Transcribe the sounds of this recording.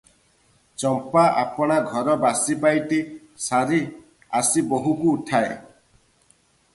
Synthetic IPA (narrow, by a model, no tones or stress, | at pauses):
t͡ʃɔmpaʔa̰pɔɽ̃aɡʱɔɾɔbasipajʈ̪i | saɾi | asiboɦukuːʈʰae